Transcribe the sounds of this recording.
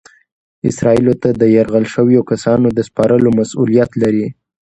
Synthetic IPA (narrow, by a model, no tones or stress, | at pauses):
ɪ̰sɾɑilot̪ad̪əjaɾɣəlʃəwjokasɑnod̪əspɑɾəlomasulijat̪laɾi